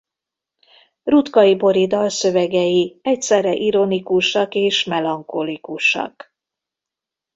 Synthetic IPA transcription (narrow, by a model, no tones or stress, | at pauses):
rut̪kɒjibo̞ɾid̪ɒlsø̞vɛɡɛjiɛcsɛrɛʔiɾo̞nikuʃɒkeːʃmɛlɒŋkolikuʃɒ̰k